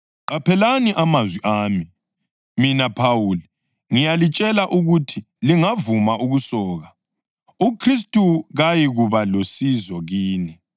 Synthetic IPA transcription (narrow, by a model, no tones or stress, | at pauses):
apʰɛlaniʔamazwiʔaːmi | minapʰawuːli | ŋijalit͡ʃʼɛlaʔuɣutʰi | liŋavumaʔuɣusɔːɣa | ukʰris̬tʼuɣajiɣuβalosizɔɣiːni